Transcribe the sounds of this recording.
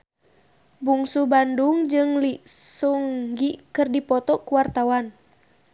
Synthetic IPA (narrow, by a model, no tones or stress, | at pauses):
buŋsubanduŋd͡ʒɨŋlisuŋɡikɨrdipɔt̪ɔkuwart̪awan